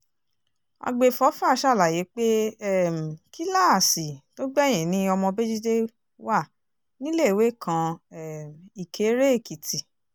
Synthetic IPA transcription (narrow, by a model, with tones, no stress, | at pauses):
a̰˧ɡ͡be˧fɔ˨˦fa˦˨˦ʃa˦˨la˨je˨˦k͡pe˦˨m̩˨ki˦la˦˨si˨to˦ɡ͡bɛ˦˨j̃ĩ˨nĩ˦ɔ˧mɔ̃˧be˦d͡ʒi˦de˦ | wa˦˨ | nĩ˦le˦˨we˦kʰã˧ɛ˦˨m˨i˨kʰe˨˦ɾe˦˨ki˨tʰi˨